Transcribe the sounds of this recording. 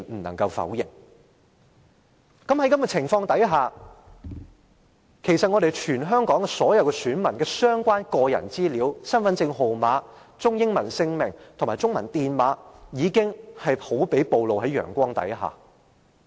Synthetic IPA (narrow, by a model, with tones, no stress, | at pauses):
nm̩˨˩nɐ̰˨˩ŋkɐ˧wfɐ̰˨˥wjɪ̰˨˩ŋ | kɐ˨˥mhɐ˨˥jkɐ˧mkɛ˧t͡sʰɪ˨˩ŋfɔː˧ŋt̪ɐ˨˥jɦaː˨ | kʰe˨˩jsɐ˨t̚ŋɔː˨˧ɾe˨jt͡ʃʰyː˨˩nɦœː˥ŋkɔː˨˥ŋkɛ˧sɔː˨˥jɐ˨˧wkɛː˧syː˨˥nmɐ˨˩nkɛː˧sœː˥ŋkʷaː˥nkɔː˧jɐ̰˨˩nt͡siː˥liː˨˥wsɐ˥nfɐ˨˧nsɪ˧ŋɦo˨wmaː˨˥ | t͡sʊ˥ŋjɪ˥ŋmɐ˨˩nsɪ˧ŋmɪ̰˨˩ŋt̪ʰo˨ŋmaː˨˩jt͡sʊ˥ŋmɐ̰˨˩nt̪iː˨nmaː˨˧˥jiː˨˧kɪ˥ŋhɐ˨jhʰo˨˥wpe˨˥jpo˨˧wlo˨wɦɐ˨˥jœ̰ː˨˩ŋkʷɔː˥ŋt̪ɐ̰˨˥jɦa̰ː˨˩